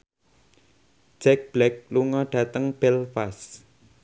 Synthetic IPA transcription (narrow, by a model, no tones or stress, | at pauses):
d̥ʒ̥ɛk̚b̥lɛk̚luŋɔɖ̥ä̤t̪əŋb̥ɛlfas